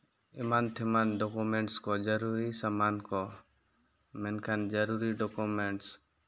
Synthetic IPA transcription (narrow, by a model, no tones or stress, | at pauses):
ɛmant̪ʰɛmanɖɔkumɛɳʈskɔd͡ʒəɾuɾisamankɔ | mɛnkʰand͡ʒəɾuɾiɖɔkumɛɳʈs